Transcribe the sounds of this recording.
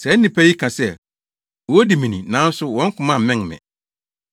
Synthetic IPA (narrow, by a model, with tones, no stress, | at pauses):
sɛ˨˦nĩ˨pʰæ˦ji˦kʰã˨sɛ˦ | wɔ˨˦di˨mĩ˨nĩ˨nãː˨˦n̩˦sʊ˦wɔ̃˦ŋ̩˦kʰʊ̃˨mã˦˨mɛ̃˦ŋmɛ̰̃˨